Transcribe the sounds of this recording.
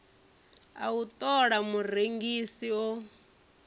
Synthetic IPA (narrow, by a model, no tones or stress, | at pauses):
a̰ut̪ʼɔɺamureŋɡisiɔ